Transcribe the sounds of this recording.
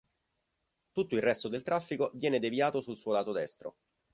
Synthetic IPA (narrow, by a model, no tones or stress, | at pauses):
t̪ut̪ːoilrɛst̪od̪elt̪ɾafːikovjɛːned̪evjaːt̪osulsuːolaːt̪od̪ɛst̪ɾo̰